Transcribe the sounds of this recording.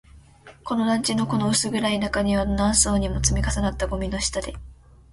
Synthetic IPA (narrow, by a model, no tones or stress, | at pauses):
ko̞no̞ɾãɲ̟t͡ɕino̞ko̞no̞ɯ̟sɨɡɯ̟ɾainakaɲ̟iβanãɰ̃so̞ːɲ̟imo̞t͡sɨmʲikasanat̪ːaɡo̞mʲino̞ɕi̥t̪ad̪e